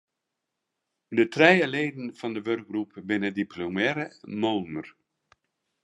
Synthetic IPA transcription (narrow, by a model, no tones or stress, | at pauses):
dətrɛjəleːdən̩fɑndəʋørk̚ɡrupbɪnədipʰlomɛɾəmoːnər